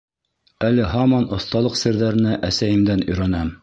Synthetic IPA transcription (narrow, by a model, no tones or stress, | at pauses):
ælɘɦɑmɑnŏθt̪ɑlˠɤqsɘ̆ɾðæɾɘ̆næʔæsæjɘ̆md̪ænɵ̆jɾænæm